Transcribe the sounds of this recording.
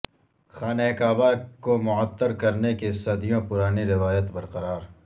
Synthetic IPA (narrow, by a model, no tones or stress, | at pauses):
xaːnɛkaːbakomʊət̪ːəɾkɐɾnekesɐd̪ijõpʊɾaːniɾɪʋaːjət̪bɐɾqəɾaːɾ